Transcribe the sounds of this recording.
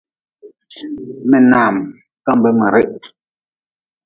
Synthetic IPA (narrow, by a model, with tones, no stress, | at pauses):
mɛ˨naː˨m | ka˦m˨bɛ˦me˨ɾe˦˨ʔ